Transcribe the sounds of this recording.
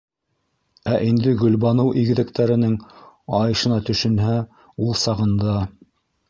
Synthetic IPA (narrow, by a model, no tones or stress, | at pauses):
æʔind̪ɘɡɵ̆lβɑnɤwʔiɡɘ̆ðɘ̆kt̪æɾɘ̆nɘŋɑjɤ̆ʃɤ̆nɑt̪ɵ̆ʃɘ̆nɦæ | ulˠsɑʁɤ̆nd̪ɑ